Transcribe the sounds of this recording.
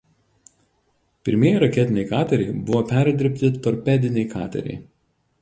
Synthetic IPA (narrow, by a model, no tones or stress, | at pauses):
pʲɪɾʲmʲeɛjɛɾɐkʲɛt̪ʲɪnʲɛɪkɑːt̪ʲɛɾʲɛɪbʊʋoːpʲæːɾʲd̪ʲɪɾʲpʲt̪ʲɪt̪ɔɾʲpʲɛd̪ʲɪnʲɛɪkʰɑ̰ːt̪ʲɛ̰ɾʲɛ̰ɪ